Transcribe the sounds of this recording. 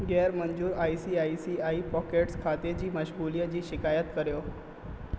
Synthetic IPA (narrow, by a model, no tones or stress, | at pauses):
ɡɛɾməɲd͡ʑuːɾaisiːaisiːaipɔkeʈskʰat̪ed͡ʑiːməɕɡulijəd͡ʑiːɕikajət̪kəɾjo